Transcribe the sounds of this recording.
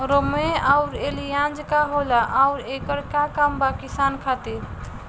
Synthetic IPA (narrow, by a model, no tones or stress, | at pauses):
ɾomeaʊɾelijãnd͡ʒkaɦolaʔaʊɾekəɾkakambakisankʰat̪e